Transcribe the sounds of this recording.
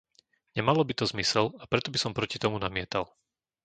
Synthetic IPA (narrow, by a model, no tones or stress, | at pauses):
ɲɛmalɔbit̪ɔzmisɛlapɾɛt̪ɔbisɔmpɾɔcit̪ɔmunamɪɛt̪al